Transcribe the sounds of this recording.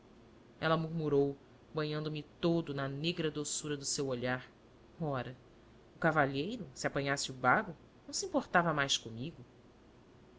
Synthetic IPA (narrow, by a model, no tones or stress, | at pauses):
ɛlɐmuɾmuɾow | bɐ̃ɲɐ̃nd̪ʊmɪt̪od̪ʊnɐneɡɾɐd̪osuɾɐd̪ʊsewoʎaɾ | ɔɾɐ | ʊkavaʎejɾʊsɪapɐ̃ɲasɪʊbabʊ | nɐ̃w̃siĩmpoɾt̪avɐmajskõmiɡʊ